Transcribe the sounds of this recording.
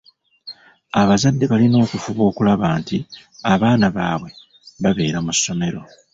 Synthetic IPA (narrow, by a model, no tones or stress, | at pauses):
aβazadːe̞βalino̞ːkufuβo̞ːkulaβaːntiaβaːnaβaːβwe̞ | βaβe̞ːɾamusːo̞me̞ɾo̞